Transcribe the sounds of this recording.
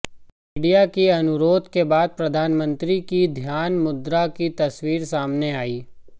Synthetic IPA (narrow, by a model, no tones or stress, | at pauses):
ɪɖijakiɐnʊɾoːd̪ʱkebaːd̪̚pɾɐd̪ʱaːnmə̃nt̪ɾikid̪ʱjaːnmʊd̪ɾakit̪ɐswiːɾsaːmneaːiː